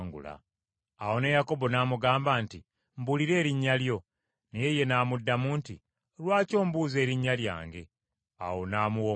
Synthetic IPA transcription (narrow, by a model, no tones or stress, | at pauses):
ŋɡṵla̰ː | wo̞ne̞jako̞bo̞naːmuɡaːmbaːnti | mbuliɾe̞ːɾiɲːaljo̞ | neje̞je̞naːmudːamuːnti | lwaːco̞ːmbuːze̞ːɾiɲːalja̰ːŋɡe̞ | a̰wo̞naːmuwo